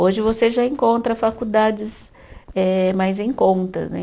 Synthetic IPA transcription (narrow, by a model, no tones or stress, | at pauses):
oʒɪvoseʒaẽŋkõnt̪ɾɐfakud̪ad͡ʒɪz | ɛmajzẽj̃kõnt̪ɐ̰nɛ̰